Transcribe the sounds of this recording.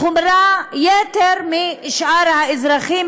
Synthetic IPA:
omɾajet̪eɾmiʃʔaɾhaɪzɾaχim

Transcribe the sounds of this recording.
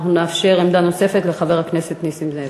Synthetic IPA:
χnuneːfʃe̞ʁemd̪ano̞se̞fe̞t̪le̞χave̞ʁhakne̞set̪nisimze

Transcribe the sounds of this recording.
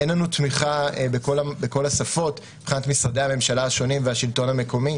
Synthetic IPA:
enlanutmiχaebeko̞labeko̞lasafo̞t | b̥χinatmisʁade̞ame̞mʃalaːʃo̞nimveaʃilto̞name̞ko̞mi

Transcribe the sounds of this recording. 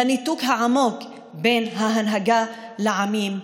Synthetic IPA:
anit̪ukɦaʕamo̞k | benɦaɦanɦaɡa | leʕamim

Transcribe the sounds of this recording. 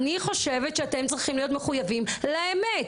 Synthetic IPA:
niχo̞ʃevet̪ʃeate̞mt͡sʁiχimlijo̞tmeχujavimlaemet

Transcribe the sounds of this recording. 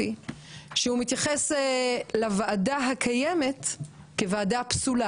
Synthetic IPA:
iʃehumit̪jaχeselavaːdaɦakʰajemet̪ | kevaːdapsula

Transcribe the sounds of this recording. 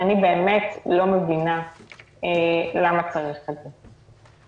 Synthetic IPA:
anibe̞ːme̞tlo̞mevina | elamat͡saʁiχeze

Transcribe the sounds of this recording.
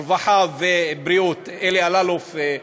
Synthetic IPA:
vaħavebɾiot̪elealalof

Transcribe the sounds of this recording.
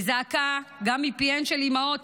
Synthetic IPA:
zaːkaɡamipienʃɛlimaot

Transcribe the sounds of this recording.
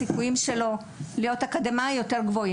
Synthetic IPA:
ikujimʃe̞lo̞ | lijo̞takad̪emajo̞te̞ʁɡvo̞i

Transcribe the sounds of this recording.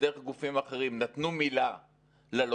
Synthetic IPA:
eeχɡufimaχe̞ʁimnat̪numila | lelo

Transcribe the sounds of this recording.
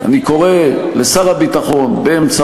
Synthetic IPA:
a̰niko̞ʁelesaʁabit̪aχo̞nbeemt͡sa

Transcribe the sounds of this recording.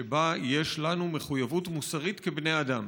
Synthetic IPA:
ebajeʃlanume̞χujavutmusaʁit̪kebne̞jad̪am

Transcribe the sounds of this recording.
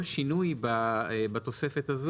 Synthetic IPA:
lʃinujbabat̪o̞se̞fet̪az

